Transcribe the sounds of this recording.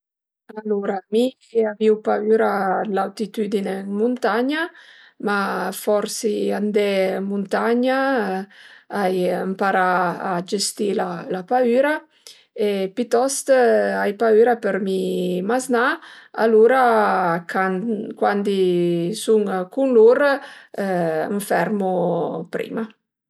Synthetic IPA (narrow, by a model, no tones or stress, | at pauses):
aluɾami | aviwpayɾalawt̪it̪yd̪ineŋmunt̪aɲa | mafɔɾsiand̪ɛmunt̪aɲa | ajəmpaɾaːd͡ʒest̪ilalapayːɾa | epit̪ɔst̪ajpayːɾapəɾmimaznaaluɾakakwand̪isuŋkunluɾ | ə̰ɱfɛɾmupɾḭma